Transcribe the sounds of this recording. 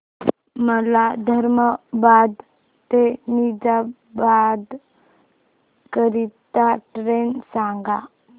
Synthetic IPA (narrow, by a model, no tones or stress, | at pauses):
məlad̪ʱəɾməbad̪ | t̪enid͡ʒa | bad̪ | kəɾit̪aʈɾensãŋɡa